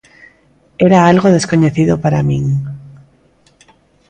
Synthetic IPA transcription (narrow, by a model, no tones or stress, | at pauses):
eɾaalɣoðeskoɲeθiðopaɾamĩŋ